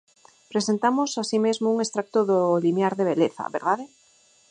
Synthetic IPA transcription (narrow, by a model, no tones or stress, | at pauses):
pɾesent̪amosasimezmouŋest̪ɾak̚t̪oðolimjaɾðeβ̞eleθa̰βḛɾðaðe